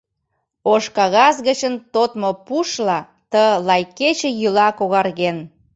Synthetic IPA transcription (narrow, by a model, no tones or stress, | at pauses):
oʃkɑɣɑzɣət͡ɕənt̪ot̪mopuʃlɑ | t̪əlɑjket͡ɕĕjylɑkoɣɑrɣen